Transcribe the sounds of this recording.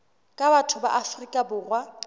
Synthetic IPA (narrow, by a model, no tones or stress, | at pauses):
kʼabatʰʊba̰ʔafrikʼabʊːrwa